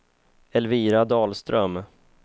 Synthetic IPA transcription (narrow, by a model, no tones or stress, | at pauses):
ɛlviːɾad̪ɑːlst̪ɾœm